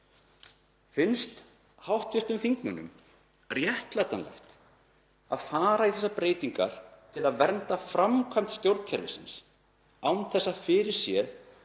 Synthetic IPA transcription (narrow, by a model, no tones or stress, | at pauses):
fɪnst̪ | hawht̪vɪst̪ʏmθiŋknʏnʏ̰m | rjɛht̪lat̪anlɛ̰xt̪ | aðfaːɾaiθɛsːapɾeːjt̪iŋka̰ɾ̥t̪ʰɪlaðvɛɾnt̪afɾamkʰvam̥t̪st̪jowɾt̪n̥cʰɛɾlɪ̰sɪns | awnθɛsːafɪɾɪɾ̥sjɛð